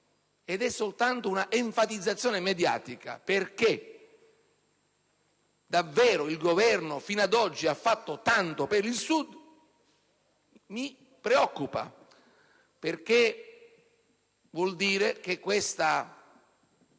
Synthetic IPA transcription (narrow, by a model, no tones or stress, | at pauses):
ed̪ɛsːolt̪ant̪ounaʔeɱfat̪id̪zːat̪sːjɔːnemed̪ja̰ːt̪ika̰perke | d̪avːɛːɾoilɡovɛrnofinad̪ɔd͡ʒːiafːat̪ːot̪ant̪opeɾilsud̪ | mi | pɾeɔkːupa̰ | perk̟e | vwɔld̪iːɾek̟ekːwest̪a